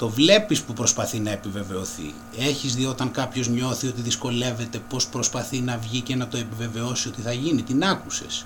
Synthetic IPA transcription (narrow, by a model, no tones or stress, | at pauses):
t̪o̞vle̞pispupɾo̞spɐθinɐe̞pive̞ve̞o̞θḭ | e̞çizðio̞t̪ɐŋkɐpço̞zɲo̞θio̞t̪iðisko̞le̞ve̞t̪e̞po̞spɾo̞spɐθinɐvʝice̞nɐt̪o̞e̞pive̞ve̞osio̞t̪iθɐʝinit̪inɐkuse̞̰s